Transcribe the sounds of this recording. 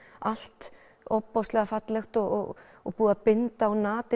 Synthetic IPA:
al̥t̪ | ɔpːɔwst̪lɛɣafat̪lɛxt̪ɔɔ̰ | ɔpuːðapɪnt̪aːwnaːt̪ɪ

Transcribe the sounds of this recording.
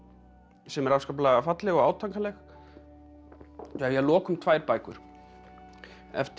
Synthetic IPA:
sɛmɛɾawskaplaɣafat̪lɪɣɔaːwt̪ʰaŋkalɛx | ajɛlɔːkʏmt̪ʰvaːjɾpaːjkʏ̰ɾ̥ | ɛ̰ft̪

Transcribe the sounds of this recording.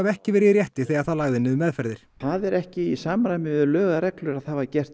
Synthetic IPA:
avɛhcɪvɛːɾɪɾjɛht̪ɪθɛjɣaðθaðlaɣðɪnɪðʏmɛðfɛɾðɪɾ̥aðɛɾɛhcɪisamɾajmɪlœːɣaɾɛklʏɾaðhaːvacɛr̥t̪

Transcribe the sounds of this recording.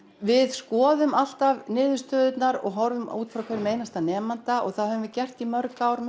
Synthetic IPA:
vɪðskɔːðʏmal̥t̪avnɪːðʏst̪œːðʏt̪naɾɔ̰ɣɦɔɾvʏmuːt̪fɾawkʰɛɾʏmejnast̪anɛːmant̪aɔ̰ɣθaðhœvʏnvɪcɛr̥t̪imœɾkawɾm

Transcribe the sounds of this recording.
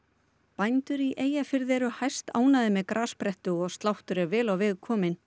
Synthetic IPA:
pajnt̪ʏɾiʔeːjafɪɾðɛɾʏhajst̪aːwnaðɪmɛðkɾʔaːspɾɛht̪ʏɣɔɣst̪lawht̪ʏɾɛɾvɛːlawvɪðkʰɔːmɪn

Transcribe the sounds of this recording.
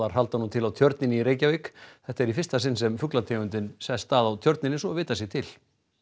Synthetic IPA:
aɾ̥ɦal̪t̪anũnt̪ʰɪlawt̪ʰjœɾt̪nɪnɪiɾeːjcavɪkθɛht̪aɛɾifɪrst̪asɪnːsɛmfʏklat̪ʰejʏnt̪ɪnsɛst̪aːðawt̪ʰjœɾt̪nɪnɪsɔvɪːt̪as̬jɛɣt̪ʰɪl̥

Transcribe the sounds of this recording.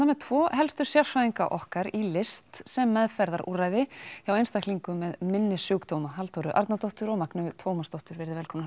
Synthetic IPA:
namɛt̪ʰv̥ɔːhɛlst̪ʏɾ̥sjaɾ̥fɾaðiŋka̰ʔɔhkaɾilɪst̪sɛmːɛðfɛɾðaɾṵːraːjðɪçawejnst̪akʰliŋkʏmɛðmɪnːɪsʏːkt̪owmaɦalt̪owɾʏʔa̰ɾt̪nat̪ɔwht̪ʏɾɔɣmaknʏt̪ʰvoːwmast̪ɔwht̪ʏɾvɛɾðɪvɛlkʰɔmna

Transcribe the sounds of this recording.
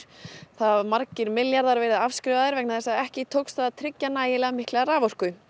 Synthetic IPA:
θamaɾcɪɾmɪljaɾðaɾveːɾɪðafskɾɪvaðɪɾvɛknaθɛsːaɛhcɪt̪ʰowksθaðt̪ʰɾɪcːanaːjɪlɛɣamɪhklɛɣaɾaːvɔr̥kʏ

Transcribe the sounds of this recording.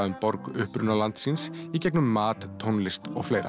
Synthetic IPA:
ðʏmpɔɾkʏhpɾʏnalant̪sɪnsicɛknʏmːaːt̪ːʰownlɪst̪ɔɣfleːjɾa̰

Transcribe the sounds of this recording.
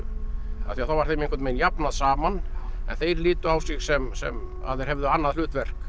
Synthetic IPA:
a̰θiaθawvaɾ̥θejmẽjŋkvɛɾt̪meːjnjapnaðsaːmanɛ̰nθejɾliːt̪ʏawsɪxsɛmsɛ̰m | a̰ðθejɾ̥hɛvðʏanːaðlʏːt̪vɛr̥k

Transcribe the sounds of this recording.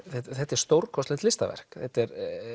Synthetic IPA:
θɛt̪θɛt̪ːɛɾ̥st̪owɾkʰɔst̪ɪnt̪lɪst̪a̰vɛ̰r̥kθɛt̪ːɛɾ

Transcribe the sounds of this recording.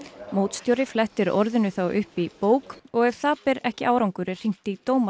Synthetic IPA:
moːwt̪st̪jowɾɪflɛht̪ɪɾɔɾðɪnʏθawʔʏhpipoːwkɔɣɛɾ̥θaːpɪɾɛhcɪʔaːwɾawŋkʏɾɪr̥iŋ̥t̪it̪oːwma

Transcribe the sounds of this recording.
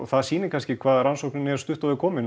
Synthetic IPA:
θaðsiːnɪɾkʰanscɪkʰvaːðɾansowhknɪnɛɾ̥st̪ʏht̪ɔvɪɾkʰɔːmɪn

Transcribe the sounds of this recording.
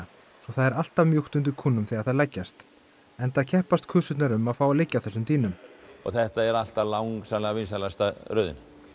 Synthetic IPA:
sɔθaðɛɾal̥t̪avmjuxt̪ʏnt̪ʏkʰuːnːʏmθiːaðθaðlɛcːast̪ | ɛnt̪aðcʰɛhpast̪̚kʰʏːsʏt̪naɾʏmaðfaːwalɪcːaθɛsːʏmt̪iːnʏmɔ̰ɣθɛht̪aɛɾal̥t̪alawŋksamlɛɣavɪnsalast̪aɾœːðɪ̰n

